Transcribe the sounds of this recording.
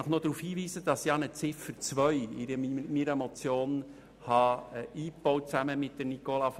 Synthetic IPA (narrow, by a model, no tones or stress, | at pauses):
əχnod̥̪ɾuːfhiːʋiːsəd̥ɑsjɑnət͡sɪfət͡sʋœʏiɾəmimiɾəmot͡sjoːn | hɑiːpb̥ɔwt̚t͡sæməmɪt̚d̥ənikolɑf